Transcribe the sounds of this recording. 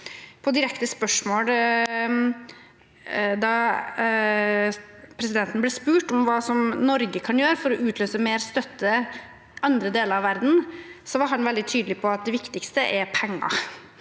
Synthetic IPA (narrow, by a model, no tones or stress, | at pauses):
pʰɔd̪ɪɾɛkt̪əspœʂmoːl | d̪ɑ | pʰɾɛsɪd̪ɛnt̪ən̩blɛːspʉːʈɔmʋɑːsɔmnɔɾɡəkʰɑnjøːɾəfɔɾɔʔʉːt̪løːsəmeːɾst̪œt̪ːə | ʔɑnd̪ɾəd̪eːləɾɑʋæɾd̪n̩sɔʋɑɾɦɑnʋɛld̪ɪt̪ʰyːd̪əlɪpʰɔɑt̪̚d̪ɛʋɪkt̪ɪkst̪əʔɛɾpʰɛŋːɑ̰